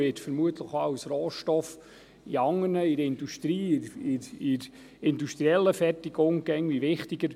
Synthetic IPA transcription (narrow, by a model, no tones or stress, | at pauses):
ɪtfəɾmuət̪ʰləχɑwsroːʃtɔf | iɑŋːəɾnəiɾɪnduʃtɾiːiɾiɾ | ɪnduʃtɾiɛlːəfɛrtiɡ̥ʊŋɡ̥ɛŋʋiʋɪχtiɡəɾ